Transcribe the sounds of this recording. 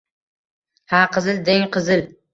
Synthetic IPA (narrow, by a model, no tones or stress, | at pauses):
haqɨzɪld̪eŋqʰɨzɪl